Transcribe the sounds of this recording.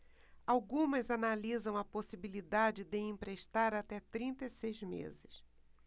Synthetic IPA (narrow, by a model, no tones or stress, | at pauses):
awɡũmɐzanalizɐ̃w̃ɐposibilid̪ad͡ʒɪd̪ɪĩmpɾeʃt̪aɾat̪ɛt̪ɾĩnt̪esejzmḛzɪs